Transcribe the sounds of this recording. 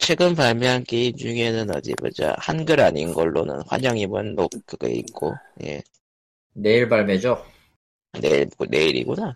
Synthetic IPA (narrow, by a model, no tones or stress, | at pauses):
t͡ɕʰwe̞ɡɯmpaɭmeɦank͈eind͡ʑuŋe̞nɯnʌd͡ʑimʌd͡ʑa̰hanɡɯɾaɲinɡʌɭːo̰nɯ̰nɸwa̰ɲʌŋimɯnːok̚kɯɡḛḭk͈oje̞̰ | neiɭbaɭmjed͡ʑo | neine̞iɾḭɡona